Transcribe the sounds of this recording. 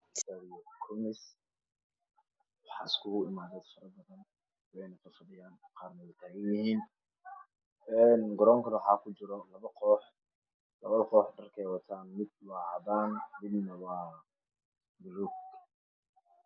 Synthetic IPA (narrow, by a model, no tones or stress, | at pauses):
sɐɾɪjɔkʰʊmɪs | wɑħɑ̰ːɪskʰʊʊɪmaːðɛːd̪fɐɾɐbɐðɐn | wɛjnɐfɐfɐðɪjaːnqɑːrnɐwɛjt̪ʰaːɡɐnjɪhiːn | ɛːnɡɔɾɔːŋkʰɐnwħɑːkʰʊt͡ʃɪɾɔlɐβɐqɔːħ | lɐβɐðqɔːħɖɐrkʰɛːjwɑt̪ʰaːnmɪd̪̚wɑːʕðaːnmɪd̪nɐwɑː | bʊɾuɡ